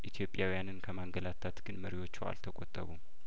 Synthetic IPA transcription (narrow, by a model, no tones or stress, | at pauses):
ʔit̪ʰijo̞pʼjawijanɨnkʰəmaŋɡəlat̪ʰːat̪ɡ̥ɨnməɾiwo̞t͡ʃːɛwa̰lt̪ʰəkʼot̪ʼːəβum